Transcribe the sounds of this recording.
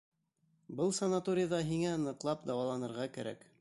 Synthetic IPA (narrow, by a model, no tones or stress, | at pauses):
bɤlˠsɐnat̪oɾʲɪjaðɑɦiŋænɤ̆qlˠɑpd̪ɑwɑlˠɑnɤ̆ɾʁɑkæ̰ɾæ̰k